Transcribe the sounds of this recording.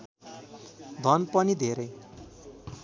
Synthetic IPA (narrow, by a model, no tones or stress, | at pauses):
d̪ʱʌnpʌnid̪ʱeɾʌj